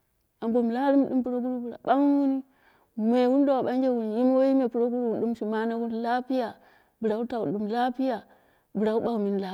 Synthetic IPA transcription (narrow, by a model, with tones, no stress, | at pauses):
a˨mbo˨m˨la˦ɾi˦m˦ɗṵ˦mpu˨ɾo˦ɡu˦ɾu˦bu˨ɾa̰˨ɓa˦ŋ˦wu˦ni˦ | me˨wu˦n˦do˦wa˨ɓa˦ŋ˦d͡ʒe˦wu˨ni˨ji˦m˦wo˦ji˦me˨pu˨ɾo˦ɡu˦ɾu˦˨ɗu˦mʃi˨ma˦na˦wu˦n˦la˦pi˦ja˨ | bɨ˨ɾa˨u˦ta˨u˨ɗu˨m˨la˦pi˦ja˨ | bu˨ɾa˨wu˦ɓa˦˨mi˨n˦la˦